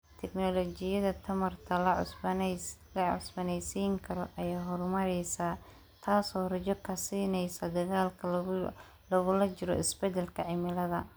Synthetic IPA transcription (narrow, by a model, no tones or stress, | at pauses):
t̪ʰɛknɔlɔt͡ʃɪjɐðɐt̪ʰɐmɐrt̪ʰɐ | lɐʕʊ̰sbɐnɛjsiːŋkʰɐɾɔʔɐjaːɦɔrmɐɾɛjsaː | t̪ʰaːsɔːrɐt͡ʃɔkʰɐsiːnɛjsɐd̪ɐɣaːlkʰɐ | lɔɣʊlɐt͡ʃɪɾɔ̰ɪsbɛd̪ɛlkʰɐʕɪmɪlɐðɐ